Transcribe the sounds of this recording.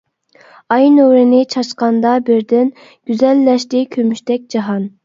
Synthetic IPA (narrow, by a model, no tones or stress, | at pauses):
ɑjnøɾɪnɪt͡ʃʰɑʃqɑnd̪ɑbɪɾd̪ɪn | ɡ̥ʲyzɛlːɛʃt̪ɪkʲʰømyʃt̪ɛk̚ʲd͡ʒɑɦɑn